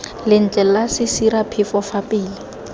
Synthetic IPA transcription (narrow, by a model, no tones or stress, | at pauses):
lɪn̩t͡ɬʼɛlasɪsiɾapʰɪfɔfapʼiːlɪ